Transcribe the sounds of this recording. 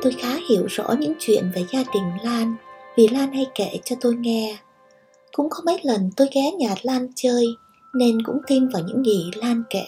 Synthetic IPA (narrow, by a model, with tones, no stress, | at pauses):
t̪o˧jxaː˨˦hi˧˩˨əwzɔ̰˧˥ɲɨ̰˧˥ŋt͡ɕwḭ˧˨ənve˨˩zaː˧ɗ̪ï˨˩ŋ̟laː˧nvi˨˩laː˧nha˧jkḛ˧˩˨t͡ɕɔ˧t̪o˧jŋɛ˧ | kʊ̰˧˥ŋ͡mxə˧wŋ͡mmə˨˦jlə˨˩nt̪o˧jɣɛ˨˦ɲaː˨˩t̚laː˧nt͡ɕəː˧j | ne˧nkʊ̰˧˥ŋ͡mt̪i˧mvaː˨˩wɲɨ̰˧˥ŋːi˨˩laː˧nkḛ˧˩˨